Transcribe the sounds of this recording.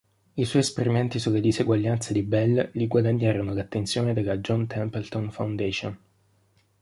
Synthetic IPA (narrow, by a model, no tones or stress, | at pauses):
iswɔjespeɾimɛnt̪isulːed̪izeɡwaʎːant̪sed̪ibɛlːliɡwad̪aɲːaːɾonolat̪ːent̪sjoːned̪elːad͡ʒɔnt̪ʰɛmpɛlt̪onfawnd̪ɛːʃon